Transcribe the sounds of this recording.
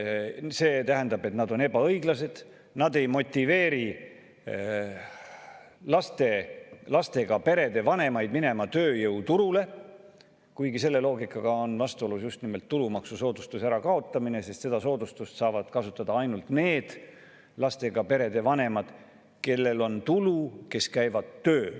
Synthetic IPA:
se̞ːt̪æɦænd̪ɑbe̞t̪nɑd̪o̞ne̞b̥ɑɤjɡ̥lɑse̞d̪̥ | nɑd̪e̞jmo̞t̪ʲːˑive̞ːɾi | lɑst̪e̞lɑst̪e̞ɡ̥ɑpe̞ɾe̞d̪e̞vɑne̞mɑjd̪mine̞mɑt̪ø̞ːjɤwt̪uɾule̞ | kujɡise̞lːe̞lo̞ːɡikˑːɑɡ̥ɑonvɑst̪uo̞lusjust̪nime̞lt̪ːulumɑksuso̞ːd̪ust̪usæɾɑkɑo̞t̪ːˑɑmine̞se̞st̪se̞d̪̥ɑso̞ːd̪ust̪ust̪sɑːvɑd̪̥kɑsut̪ːˑɑd̪̥ɑɑjnult̪ne̞ːd̪̥ | lɑst̪e̞ɡ̥ɑpe̞ɾe̞d̪̥e̞vɑne̞mɑd̪̥ | ke̞lːe̞lo̞nt̪uluke̞skæjvɑd̪̥t̪ːøː

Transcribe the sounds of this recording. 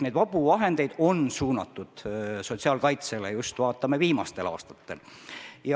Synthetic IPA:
nejd̪̥vɑb̥uvɑɦe̞nd̪e̞jd̪̥o̞nsuːnɑt̪ːˑud̪̥so̞t̪ʲsiɑːlkɑjt̪se̞lejust̪vɑːt̪ːˑɑme̞viːmɑst̪e̞lɑ̰ːst̪ɑ̥t̪ːe̞̰ljɑ

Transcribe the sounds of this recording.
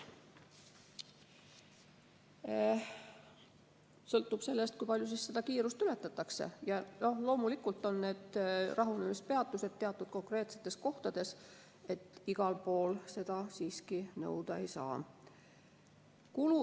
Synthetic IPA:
sɤlt̪ːˑub̥se̞lːest̪̚kujpɑlʲjus̬isːe̞d̪̥ɑkiːɾust̪yle̞t̪ːˑɑt̪ːˑɑkse̞̰jɑno̞hlo̞ːmulikult̪ːˑo̞nːe̞ːd̪̥rɑɦunemispeɑt̪ˑːuse̞d̪̥̚t̪ːe̞ɑt̪ːˑud̪̥̚ko̞ŋkre̞ːt̪se̞̥t̪ːˑe̞sko̞ht̪ɑd̪̥e̞s | e̞t̪ːiɡ̥ɑlpo̞ːlse̞d̪̥ɑsiːskinɤ̰wd̪̥ɑḛjsɑ̰ː | kulu

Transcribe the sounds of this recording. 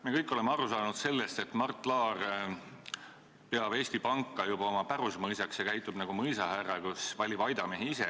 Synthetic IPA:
mekɤjkːˑo̞le̞meɑɾusɑːnud̪̥se̞lːest̪e̞t̪ˑmɑrt̪ːˑlɑːr | peɑbe̞ːsʲt̪ipɑŋkˑːɑjubɑomɑpæɾusmɤjsɑksjɑkæjt̪ˑːub̥nɑɡ̥umɤjsɑɦærɑkusvɑlʲib̥ɑjd̪̥ɑme̞ɦiisḛ

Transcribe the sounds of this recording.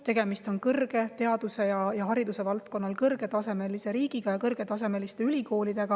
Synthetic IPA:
t̪e̞ɡ̥e̞mist̪o̞nkɤrɡ̥e̞t̪e̞ɑd̪use̞jɑjɑɦɑɾid̪use̞vɑlt̪̚ko̞nːɑlkɤrɡ̥e̞t̪ɑseme̞lise̞ɾiːɡ̥iɡ̥ɑjɑkɤrɡ̥e̞t̪ɑs̬e̞me̞list̪e̞ylʲiko̞ːlid̪̥e̞ɡ̥ɑ

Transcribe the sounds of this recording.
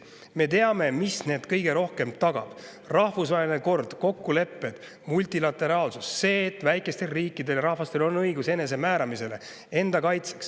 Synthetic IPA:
me̞t̪e̞ɑme̞misne̞ːd̪̥kɤjɡ̥e̞ɾo̞hke̞mt̪ɑɡ̥ɑ̰b̥ | rɑhvusvɑelineko̞rd̪̥ko̞kːule̞pːe̞d̪̥ | mulʲt̪ilɑt̪ːˑe̞ɾɑːlsusse̞ːt̪ːˑvæjkːˑe̞st̪e̞lriːkːˑid̪e̞ljɾɑhvɑst̪e̞lo̞nːɤjɡuse̞ne̞s̬e̞mæːɾɑmise̞le̞ | e̞nd̪ɑkɑjt̪se̥ks

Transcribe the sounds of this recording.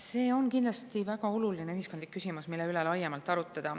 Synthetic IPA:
se̞ːo̞nkind̪lɑst̪ivæɡɑo̞lulineyɦiskod̪likːysimusmilːe̞ylelɑjːemɑlt̪ːˑɑɾut̪ːˑɑd̪̥ɑ

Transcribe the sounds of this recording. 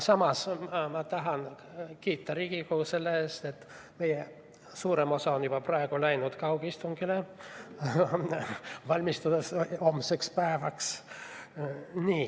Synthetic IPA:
sɑmɑsɑmɑt̪ɑɦɑn | kiːt̪ːɑɾiɡ̥ikuːse̞lːeeːst̪e̞t̪ː | me̞je | suːɾe̞mo̞sɑo̞njub̥ɑprɑe̞ɡ̥ulæjnud̪̥kɑwɡ̥ist̪uŋɡ̥ile | vɑlʲmist̪ud̪̥eso̞mse̞kspæevɑks | niː

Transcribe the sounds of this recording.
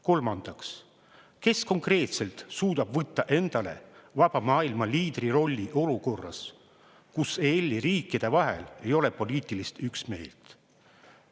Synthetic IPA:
ko̞lmɑnd̪̥ɑks | ke̞sko̞ŋkre̞ːt̪se̞lt̪suːd̪̥ɑb̥vɤt̪ˑːɑʔe̞nd̪̥ɑle̞̰vɑb̥ɑmɑːilmɑliːd̪riɾo̞lʲːiʔo̞luko̞rːɑ̰s | kuselʲːiɾiːkːˑid̪̥e̞vɑɦe̞̰le̞jo̞le̞po̞lʲiːt̪ˑilist̪yksme̞̰ːlt̪

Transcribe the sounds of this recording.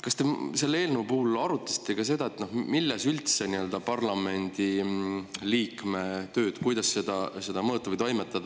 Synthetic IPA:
kɑst̪ese̞lːe̞ːlneupuːlɑɾut̪ːˑe̥st̪eɡɑse̞d̪̥ɑet̪ːnohmilːesylt̪se̞niø̞ld̪̥ɑpɑrlɑme̞nʲd̪̥i | liːkme̞t̪ø̞ːd̪̥kujd̪̥ɑsːe̞d̪̥ɑse̞d̪̥ɑmɤːt̪ːˑɑvəjt̪o̞jmet̪ːˑɑd̪ɑ

